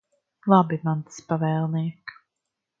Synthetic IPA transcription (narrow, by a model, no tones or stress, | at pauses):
lˠabimant̪spavɛːlˠniɛk